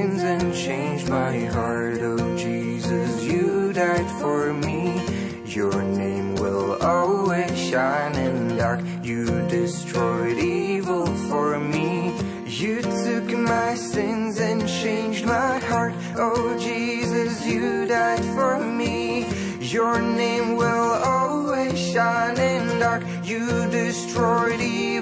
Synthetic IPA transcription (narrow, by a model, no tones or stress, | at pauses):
nzɨ̃nt͡ʃʰẽɪ̃nd͡ʒmaɪhɑɹɾoʊd͡ʒi | zʌsjɨdaɪd̥fə˞mi | jə˞nẽɪ̃mwɪ̰lˠɔlˠwiz̥ʃãɪ̃nɨ̃ndɑɹk | jɨdɪstʰɹ̥ɔɪɾivl̩ˠfə˞mi | jɨtʰʉkmaɪsɪ̃nzɨ̃nt͡ʃʰẽɪ̃nd͡ʒmaɪhɑɹt | oʊd͡ʒizʌsjɨdaɪd̥fə˞mi | jə˞nẽɪ̃mwɪlˠɔlˠwiz̥ʃãɪ̃nɪ̃ndɑɹk | jɨdɪstɹ̥ɔɪɾi